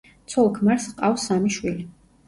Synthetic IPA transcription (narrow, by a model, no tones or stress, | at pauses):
t̪sʰɔlˠkʰmaɾsqʼafsamiʃwili